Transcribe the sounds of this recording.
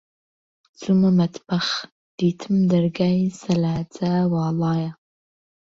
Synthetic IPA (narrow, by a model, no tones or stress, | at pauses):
t͡sʼumamatʰbaχ | d̥iːtʰɨmdarɡajsalaːt͡sʼawɑːlaːja